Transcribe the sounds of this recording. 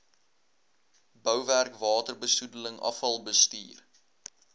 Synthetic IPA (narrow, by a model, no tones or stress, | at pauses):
bœwværkvɑːtərbəsudələŋɐ̰fɐlˠbəstiːr